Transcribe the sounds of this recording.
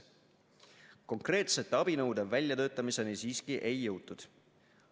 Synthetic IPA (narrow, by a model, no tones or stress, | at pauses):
ko̞ŋkre̞ːt̪se̞t̪ːɑb̥inɤwd̪evælʲjɑt̪ø̞ːt̪ːˑɑmise̞nisiːskiʔe̞jːɤwt̪ːud̪̥